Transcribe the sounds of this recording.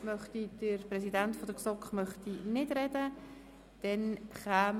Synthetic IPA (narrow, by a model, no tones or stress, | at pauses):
mœχtid̥əɾpɾɛsidantfɔdəksɔkχmœχtinɪdɾɛdə | d̥ɛnχaːm